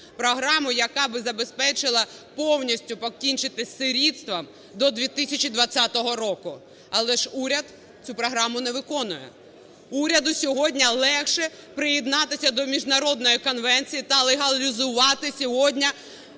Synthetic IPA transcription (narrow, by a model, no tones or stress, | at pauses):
pɾɔɦɾɑmʊjɐkɑbɪzɐbespɛt͡ʃɪlˠɐpɔwnʲisʲtʲʊpɔkʲinʲt͡ʃɪt̪ɪsʲsɪɾʲit̪st̪ʋɐm | d̪ɔd̪ʲʋʲit̪isʲɐt͡ʃʲid̪ʋɐt͡sʲːat̪ɔɦɔɾɔkʊ | ɐlˠɛʃuɾʲɐt̪ | t͡sʲupɾɔɦɾɑmʊnɛʋɪkɔnʊjɛ̰ | uɾʲɐd̪ʊsʲɔɦɔdʲnʲɐlˠɛxʃɛpɾɪjɛd̪nɑt̪ɪsʲɐd̪ɔmʲiʒnɐɾɔd̪nɔjikɔnʋɛnʲt͡sʲijit̪ɐlˠeɦɐlʲizʊʋɑt̪ɪsʲɔɦɔdʲnʲɐ